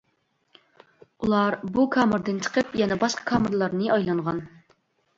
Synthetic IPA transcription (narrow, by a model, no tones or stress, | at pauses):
ulˠɑɾbukʰɑːmɨɾd̪ɨnt͡ʃʰə̥qʰəpjɛnɛbɑʃqə̥kʰɑːməɾlˠɑɾnɨʔɑjlˠɑɴʁɑn